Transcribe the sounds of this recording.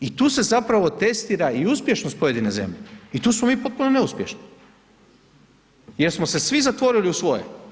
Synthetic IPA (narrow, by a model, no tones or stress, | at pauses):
it̪uːse̞zapɾaʋo̞t̪e̞st̪iːɾaiuspje̞ʃnospo̞je̞d̪ine̞zḛmʎeit̪uːsmomiːpo̞t̪̚punone̞uspʲjeʃni̥ | jeɾsmose̞sʋizat̪ʋo̞ɾiliusʋo̞jḛ